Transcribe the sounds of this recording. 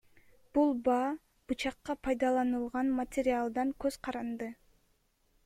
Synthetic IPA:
b̥ulˠbɑː | b̥ut͡ʃɑqːɑpʰɑjd̪ɑlˠɑnɯlˠʁɑnmɐtʲeɾʲialˠd̪ɑŋkøzqʰɑɾɑnd̪ɯ

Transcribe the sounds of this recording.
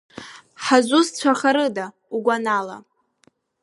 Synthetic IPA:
ħazʷust͡sʷʰaχaɾɨda | uɡʷanala̰

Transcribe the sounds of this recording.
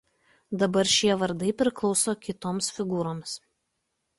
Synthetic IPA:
d̪ɐbɐɾʃʲiɛʋɐɾd̪ɐɪpʲɾʲɪklˠɒʊsoːkʲɪt̪oːmsfʲɪɡuːɾoːms

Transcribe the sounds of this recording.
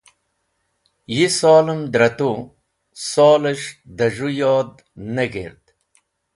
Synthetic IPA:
jisoːləmd̪ɾɐt̪o | sɔːləʂd̪ɐʐujoːd̪̚ | neɡḛɾd̪̥

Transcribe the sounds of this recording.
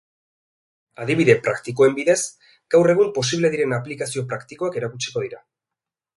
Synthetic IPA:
aðiβ̞iðe̞pɾakt̪ik̬o̞e̞mbiðe̞z | ɡ̥awre̞ɣ̞umpo̞siβle̞ðiɾe̞naplikasio̞pɾakt̪iko̞ake̞ɾakut͡ʃi̥ko̞ð̞iɾa

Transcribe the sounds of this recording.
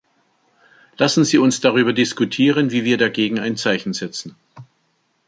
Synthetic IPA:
lasn̩ziːʊnsd̥aʁ̞yːbɐdɪskutʰiːʁənviːviːɐdaɡeːɡŋ̩a̰ɪnt͡saɪçn̩zɛt͡sn̩

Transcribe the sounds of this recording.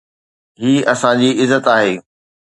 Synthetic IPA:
ɦiːɐsãd͡ʑiːɪzət̪aːɦeː

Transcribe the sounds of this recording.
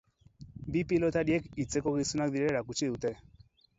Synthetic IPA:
bipilɔt̪aɗiɛkit͡sɛkɔɣisunak̚ðiɾɛɾakut͡ʃiðut̪ɛ

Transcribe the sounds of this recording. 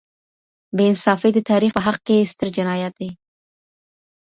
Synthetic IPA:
beɪnsɑfed̪ət̪ɑɾixpəɦaq̚kest̪əɾd͡ʒɪnɑjat̪̚d̪e

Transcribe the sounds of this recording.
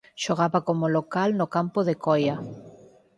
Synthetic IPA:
ʃoɣ̞aβakomolokalnokampoðekoja

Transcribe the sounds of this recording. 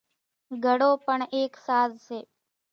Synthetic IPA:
ɡʱəɽopəɳeːksaːzʃe

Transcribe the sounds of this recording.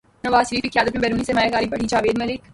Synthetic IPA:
nɐʋaːzʃliːfɪkʰjaːd̪ɐtnebɛːɾuːnisemaːjakaːɾibɐɽit͡ʃaːʋeːd̪mɐlɪk

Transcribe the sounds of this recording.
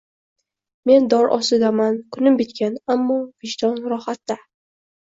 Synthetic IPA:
me̞nd̪ɒɾʔɒ̰sɪd̪amankʰʊnɪmbɪt̪kʲʰanamːɒvɪʃd̪ɒnɾɒhat̪ːa

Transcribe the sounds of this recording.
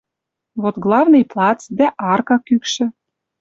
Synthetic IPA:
vot̪ɣlˠɑvnɤjplˠɑt͡sd̪æʔɑrkɑkykʃɘ̆

